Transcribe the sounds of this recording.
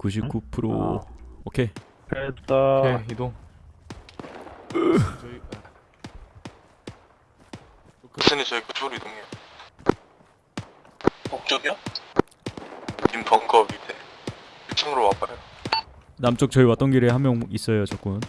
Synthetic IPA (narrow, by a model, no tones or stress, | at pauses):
kuɕ̬ʰip̚k͈upʰɯɾo̰ | okʰe̞ | keaeidoŋ | t͡ɕʌi | ok͈ʰsʰɯnit͡ɕʌikut͡ɕʰɾidoŋej | kok̚t͡ɕ͈oɡio | d͡ʑimpʌŋɡʌbidekʰit͡ɕʰiŋɯɾowap͈ao | namt͡ɕ͈ok̚t͡ɕʌiwat͈ʌnɡiɾehamjʌŋis͈ʌjot͡ɕʌk͈un